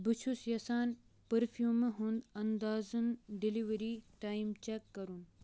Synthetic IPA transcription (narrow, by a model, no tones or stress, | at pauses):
bɨt͡ʃʰusjɐsaːn | pəɾfʰjuːməɦund̪ɐnd̪aːzɨnɖiliʋɐɾiːʈaːjmt͡ʃɛkːɐɾun